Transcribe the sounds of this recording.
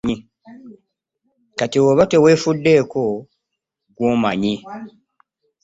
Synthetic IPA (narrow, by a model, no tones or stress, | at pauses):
i | katiwoβate̞we̞ːfudːe̞ːko | ɡwoːmaɲi